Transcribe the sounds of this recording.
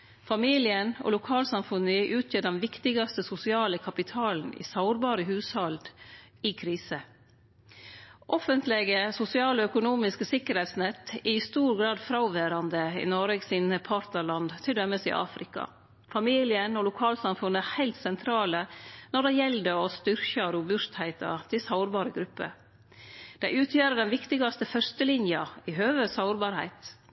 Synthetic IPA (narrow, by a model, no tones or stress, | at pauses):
fɑmiːlɪənɔ̰lʊkʰɑːlsɑmfʉnəʔʉːt̪ʰjøːdɛnʋɪkt̪ɪɡɑst̪əsʊsɪɑːləkʰɑpɪt̪ʰɑːln̩ɪ̰sɑʊɾbɑːɾəɦʉːshɑld̪ɪkʰɾiːsə | ʔɔfənt̪lɛɡəsʊsɪɑːlɔœkʊnuːmɪskəsɪkːəɾhɛɪt̪snɛt̪ːɪɪst̪uːɾɡɾɑːd̪fɾɑʊʋæːɾɑnd̪əɪ̰nɔɾəɡsiːnəpʰɑɾt̪nəɭɑnd̪t̪ʰɪld̪œmːəsɪ̰ʔɑ̰ːfɾɪkɑ̰ | fɑmiːlɪənɔlʊkʰɑːlsɑmfʉnːəæhæɪlt̪sɛnt̪ʰɾɑːlənɔɖɛjɛld̪əɔst̪ʏɾçɑɾʊbʉst̪hæɪt̪ɑ̰t̪ʰɪlsɑʊɾbɑːɾəɡɾʉpːə̰ | d̪̥æɪʉːt̪ʰjæːɾəɖɛnʋɪkt̪ɪɡɑst̪əfœɾst̪əlɪnjɑɪɦøːʋəsɑʊɾbɑːɾhæ̰ɪt̪